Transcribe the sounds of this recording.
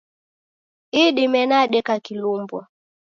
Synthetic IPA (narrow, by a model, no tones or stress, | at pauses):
iɗimɛnaɗɛkakilumbwa